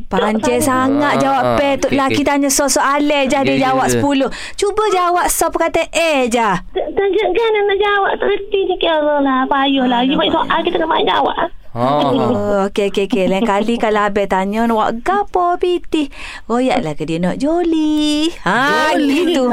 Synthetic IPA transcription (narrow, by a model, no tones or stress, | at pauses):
paɲɛsaŋat̪̚d͡ʒawaʔpɛt̪uʔlahkit̪aɲɔsɔʔsɔʔalɛhd͡ʒahdiəd͡ʒawaʔsə̥pulʊh | t͡ʃubəd͡ʒawaʔsɔp̚kat̪əʔɛd͡ʒaht̪əd͡ʒəɡananaʔd͡ʒawaʔt̪əɾət̪inikəɾəlahpajɔhlahd͡ʒubasoʔakit̪anaʔba̰d͡ʒa̰wa̰ʔa | okeokeokelaiŋkalikaloabɛt̪aɲɔnwa̰ʔɡapɔpit̪ih | koja̰ʔlahkədiənɔʔd͡ʒoliaɡit̪u